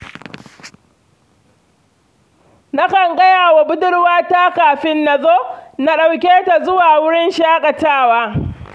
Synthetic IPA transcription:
na˦kɐ˨ŋɡɐ˦jaː˨wa˨bʊ˦dʊ˦ɽwaː˦taː˦kaː˨ɸɪ˦nːa˨zoː˦na˦ɗa˨wkʲeː˦ta˨zʊ˦waː˨wʊ˦ɽɪ˦nʃaː˦kʼɐ˨taː˦˨waː˦

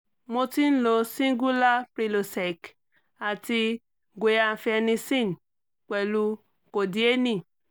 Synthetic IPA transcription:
mo˦ti˦n̩˦lo˨si˦ŋ˦ɡu˦la˦pɾi˨lo˨se˨k | a˨ti˦ | ɡʷe˨ja˨fe˧ni˦si˦˨n˨ | kʷe˨lu˧ | ko˨di˨˦e˦ni˦˨

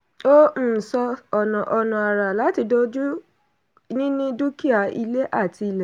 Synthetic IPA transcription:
o˦m̩˦˨sɔ˧ɔ˨nɔ̃˨ʔɔ˧nɔ̃˨a˨ɾa˨la˨˦ti˧do˧d͡ʒu˦ | nĩ˦nĩ˦du˦ki˦a˨ḭ˧le˦ʔa˦˨ti˧lɛ˨

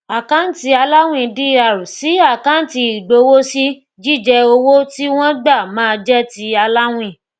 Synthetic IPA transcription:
a˨kã˦n̩˦ti˧˦a˧la˦w̃ĩ˦˧di˦a˨ɾu˨si˨˦a˦˨kã˨˦n̩˦ti˧i˨ɡ͡bo˨˧wo˦si˦ | d͡ʒi˦˨d͡ʒɛ˧o˧wo˦ti˦w̃ɔ̃˦ɡ͡ba˦˨mãː˦˧d͡ʒɛ˦ti˧˦a˧la˦w̃ĩ˦˨

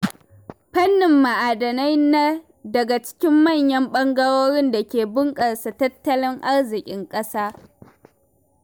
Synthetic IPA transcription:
ɸɐ˦nːɪ˨mːa˨ʔaː˨dɐ˨na˦jna˦ | dɐ˨ɡa˨t͡ʃɪ̥˦kʲɪ˦mːɐ˦˨ɲjɐ˦mɓɐ˦ŋɡɐ˦ɽoː˦ɽɪ˦nda˨kʲeː˨bɪ˦ŋkʼɐ˨ɽsa˨tɐ˦tːɐ˦lɪ˦ŋʔa˦ɽzɪ˨kʲʼɪ˦ŋkʼɐ˦saː˦

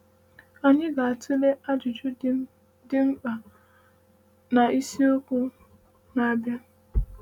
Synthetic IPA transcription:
a˨ɲɪ˦ɡa˨a˨tʰɪ˦le˦ʔa˦d͡ʒʊ˨d͡ʒʊ˦ | dɪ˦ŋ͡m̩˦k͡pa˨ | na˨i˦si˦o˦kʷu˦ | na˨a˦bja˦

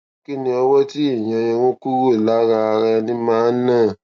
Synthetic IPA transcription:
ki˦nĩ˧ɔ˧wɔ˦ti˦i˦˨j̃ã˧j̃ɛ̃˧w̃õ˦ku˦ɾo˦i˨la˨˦ɾa˧a˧ɾa˧nĩ˦mãː˦nã˦˨

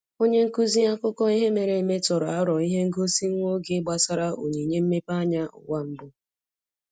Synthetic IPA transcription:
o˦ɲe˦ŋ̩˦ku˦zi˦a˦kʊ˦kɔ˦i˦ɦe˦me˨ɾe˨me˦tɔ˨ɾa˦ɾɔ˨i˦ɦe˦ŋ̩˦ɡo˦si˦ŋ̩˦ŋʷo˦ɡe˦ɡ͡ba˨sa˦ɾa˦ʔo˨ɲe˨ɲe˦m̩˦me˦pa˦ɲa˦ʊ̰˨ɡʷa˦m̩˦bʊ˦

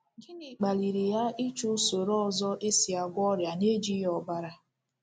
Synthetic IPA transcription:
ɡi˦ni˨k͡pa˨li˨ɾi˨ja˦i˦t͡ʃu˦so˨ɾɔ˦˨zɔ˦ʔe˦si˨a˨ɡʷɔ˦ɾja˨ne˦d͡ʒi˦jɔ˨ɡ͡ba˦ɾa˦

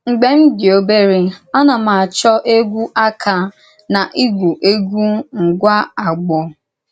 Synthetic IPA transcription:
ŋ̩˨ɡ͡be˦m̩˦dɪ˨o˦be˦ɾe˦a˦na˨ma˨a˨t͡ʃɔ˦ʔe˦ɡʷu˦ʔa˦kʰa˨ | na˨ʔi˦ɡʷu˨ʔe˦ɡʷu˦ŋ̩˨ɡʷa˦a˨ɡ͡bɔ˨

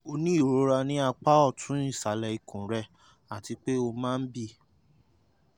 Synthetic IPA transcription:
o˧nĩ˦i˦˨ɾo˦ɾa˧nĩ˦a˧k͡pa˦ɔ˦˨tʰũ˨˦ĩ˦˨sa˨˦lɛ˧i˨kũ˨ɾɛ˧ | a˨ti˨˧k͡pe˦o˧mãː˦˧n̩˦bi˦

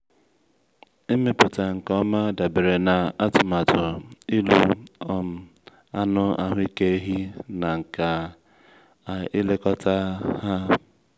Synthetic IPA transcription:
i˦me˦pʊ˨ta˨ŋ̩˨kɔ˦ma˦da˨be˨ɾe˨na˨a˦tʊ˨ma˨tʊ˨i˦lu˦ɔ˦m̩˨ | a˦nʊ˦a̰˦ɦʊ˦i˦ke˦ɦi˦na˨ŋ̩˨ka˨ | i˦le˦kɔ˦ta˦ha˦

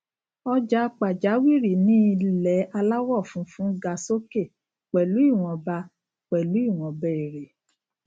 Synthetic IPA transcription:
ɔ˦d͡ʒa˦˧k͡pa˨d͡ʒa˨˦wi˦˨ɾi˨nĩ˦i˧lɛ˨˦a˧la˦wɔ˦˨fũ˨˦fũ˦ɡa˧so˦ke˦˨ | k͡pɛ˨lu˨˦i˦˨w̃ɔ̃˧ba˧ | k͡pɛ˨lu˨˦i˦˨w̃ɔ̃˧bɛ˦˨e˨ɾe˨

